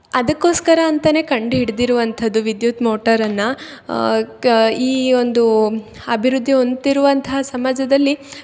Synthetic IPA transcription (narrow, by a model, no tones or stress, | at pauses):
ɐd̪ɐkːo̞ːskɐɾɐːnt̪ɐne̞ːkɐɳɖɦiɽd̪iɾuʋɐnt̪ʰɐd̪ːuʋid̪jut̪moːʈɐɾɐnːɐ | iːo̞nd̪u | ɐbʱiɾud̪ʱːio̞nt̪iɾuʋɐnt̪ʰɐɦɐsɐmaːd͡ʒɐd̪ɐlːi